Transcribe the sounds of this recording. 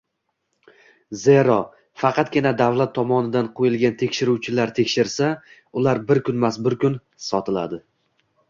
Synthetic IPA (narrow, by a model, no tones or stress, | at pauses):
ze̞ɾɒ | fɑqʰɑt̪̚ɡʲɪnad̪avlat̪ʰːɒmɒnɪd̪anqʰojɪlˠɡʲant̪ʰe̞kʲʃɪɾuwt͡ʃʰɪlaɾt̪ʰe̞kʲʃɪɾsa | ʊlaɾbɪɾkʰʲʊnmasbʊɾkʰʲʊn | sɒt̪ʰɪla̰d̪ɪ